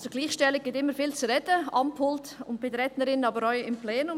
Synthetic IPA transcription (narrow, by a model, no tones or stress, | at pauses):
sʊɡliːχʃtɛlɪɡ̚ɡ̥ɪtɪmːəɾfiːlt͡suɾɛdəɑmpʰʊltʊnt̚b̥ɪdəɾɛtnəɾɪnəɑːbəɾœʏɪmpleːnʊm